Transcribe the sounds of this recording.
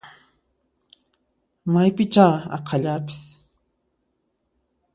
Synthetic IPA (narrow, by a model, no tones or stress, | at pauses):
majpɪt͡ʃaːɑ̰qʰɑʎapɪ̥s